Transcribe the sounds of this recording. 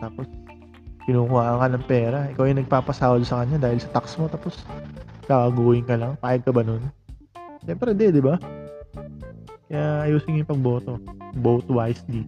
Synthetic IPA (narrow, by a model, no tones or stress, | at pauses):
t̪aːpo̞s | kɪnuːkʊhaːʔŋkɐnɐŋpɛːɾɐʔɪkawjʊnɐɡ̚paːpɐsaːwd̪sɐkɐɲad̪aːhɪlsɐt̪aksmo̞t̪aːpo̞sk̪aːkɐɡuːhɪŋkɐlɐŋpaːjɐɡ̚kɐbɐnon | ʃɛmpɾɛd̪ɛd̪ɪba | kɐjaʔɐjuːsɪɲjʊŋpɐɡ̚bo̞ːt̪o̞bowt̪wajsd̪i